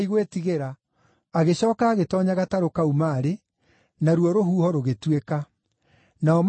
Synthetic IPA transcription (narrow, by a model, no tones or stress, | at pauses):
iɣwetiɣeɾaː | ɣeɕɔːkaːɣetɔːɲaɣataɾokaumaːɾe | naɾwɔɾoɦuːhɔɾoɣetweka | naɔm